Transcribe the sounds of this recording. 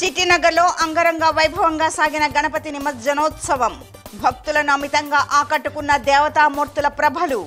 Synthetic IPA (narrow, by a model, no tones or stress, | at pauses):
t͡ʃiʈːinɐɡɐɾlo̞ːʔɐŋɡɐɾɐŋɡaːʋɐjbʱɐʋɐŋɡaːsaːɡinɐɡɐnɐpɐt̪inimɐt̪d͡ʒɐnɔːt̪sɐʋɐm | bʱɐk̚t̪ulɐnɐmit̪ɐŋɡaːʔaːkɐʈːukunːɐd̪ɛːʋɐt̪aːmoɾt̪ulɐpɾɐbʱɐlu